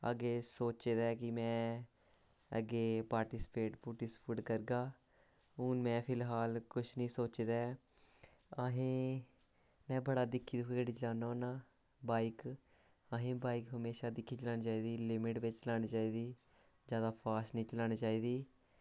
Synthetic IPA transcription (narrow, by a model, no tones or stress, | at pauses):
ə̰ɡeːsoːt͡ʃeːd̪ɛːkɪmɛ̃ː | əɡeːpaːɾʈiːspeːʈpuʈispʰuʈkəɾɡaː | uːnmɛ̃ːpʰɪlɦaːlkʊʃʰnĩːsoːt͡ʃed̪ɛː | əɦẽː | mɛ̃ːbəɽaːd̪ɪkʰːiːd̪ʊkːkəɽiːt͡ʃəlaːnaoːnaː | baːik | əɦẽːbaːikɦəmeːʃaːd̪ɪkʰːiːt͡ʃəlaːñiːt͡ʃaːiːd̪iːlɪmɪʈʋɪt͡ʃt͡ʃəlaːñiːt͡ʃaːiːd̪iː | d͡ʒjaːd̪aːpʰaːsnĩːt͡ʃəlaːñiːt͡ʃaːiːd̪iː